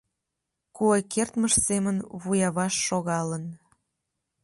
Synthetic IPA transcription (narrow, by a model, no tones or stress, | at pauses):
kuekert̪məʃsemənβujɑβɑʃːoɣɑlən